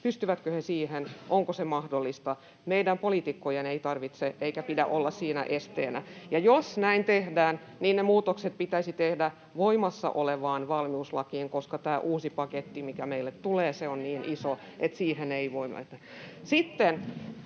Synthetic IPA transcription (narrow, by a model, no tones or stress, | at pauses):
pyst̪yʋæt̪køhesiːhenʔoŋkosemɑhdolːist̪ɑ | meidæmpoliˑt̪ikːojeneit̪ɑrʋit̪seʔeikæpidæ̰ʔolːɑssiːnæ̰ʔest̪ḛːnæ̰jɑjosnæint̪ehdæːn | niːnnemuːt̪okset̪̚pit̪æisit̪ehdæ | ʋoimɑsːɑ̰ʔoleʋɑːnʋɑlmiuslɑkiːŋkoskɑt̪æːʔuːsipɑket̪ːimikæmeilːet̪t̪uleːseonniːniso | et̪siːheneiʋoimɑ̰t̪æ | sit̪ːen